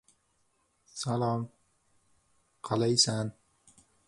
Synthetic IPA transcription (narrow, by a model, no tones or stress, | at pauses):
salɒm | qʰɑlajsan